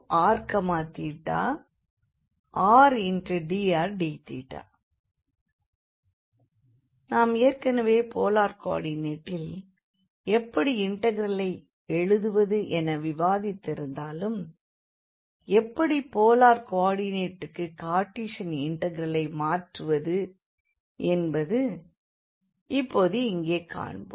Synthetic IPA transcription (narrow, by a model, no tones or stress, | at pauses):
aːɾkɐmaːt̪iːʈːa̰ː | aːɾɛndrɯɖiːaːɾɖiːt̪ḭːʈːa̰ː | naːmeːrkɐnɐʋeːpoːlaːɾka̰ːɽineːʈːɪl | ɛpːɐɽiɪɳʈɐɣɪɾɐlɐɪ | ɛɻɯðɯʋɐðɯʔɛnɐʋɪʋaːðɪt̪ːɪɾɯnd̪aːlɯm | ɛpːɐɽipoːlaːɾkaːɽineːʈːɯkːɯkːaːʈːiːʂɐnɪɳʈɐɣɪɾɐlɐɪmaːʈrɯʋɐðɯ | ʔɛnbɐðɯ | ɪpːoːðɯɪŋɡeːka̰ːɳbo̰